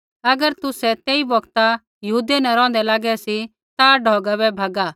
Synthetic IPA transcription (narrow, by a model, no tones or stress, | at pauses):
ɐɡəɾt̪ʊsɛt̪eːibɔɡt̪a | jɐɦuːd̪enɛ̃ɾɔ̃ːn̆d̪ɛlaːɡɛsi | t̪aɖʱɔːɡabɛbʱɐɡaː